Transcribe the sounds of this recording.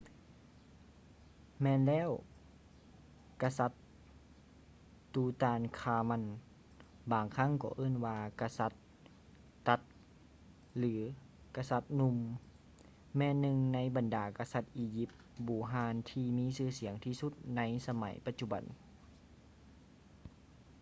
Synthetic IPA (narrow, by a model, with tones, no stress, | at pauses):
mɛː˧˨nlɛː˧˥˨w | ka˧sa˧˦t̪̚ | uː˧t̪aː˧nkʰaː˧ma˧˥˨n | baː˨˩ŋkʰa˧˥˨ŋkɔ̰ː˧˦ʔɤː˧˥˨nwaː˧ka˧sa˧˦t̪̚ː | a˧˦t̪̚ | lɯː˩˦ | ka˧sa˧˦t̪̚nu˧m | mɛː˧˨nːɯ˧ŋna˧˥jba˨ndaː˨˩ka˧sa˧˥t̪̚ʔiː˧ji˧˦p̪̚ | buː˨˩ɦaː˧˥nt̪ʰiː˧miː˧˥˨sɯː˧˩˨si˩˦əŋt̪ʰiː˧su˧˦t̪̚na˧˥jsa˧ma̰˨˦jpa˧t̪̚t͡ɕu˧˩ba̰˨n